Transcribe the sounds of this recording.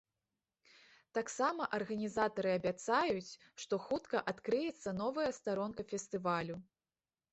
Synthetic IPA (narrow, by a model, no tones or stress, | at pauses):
t̪aksamɐʔɐrɣɐnʲizat̪ɐɾɨɐbʲat̪sajut͡sʲ | ʂt̪ɔxut̪kɐʔat̪kɾɨjɛt̪sːɐnɔvɐjɐst̪aɾɔnkɐfʲɛst̪ɨvalʲu